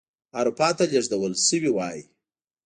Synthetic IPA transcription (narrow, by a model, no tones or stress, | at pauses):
aɾupɑt̪aleʐd̪awəlsəwiwɑji